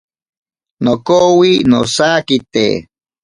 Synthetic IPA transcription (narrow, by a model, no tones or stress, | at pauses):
nokowinosaːkit̪ḛ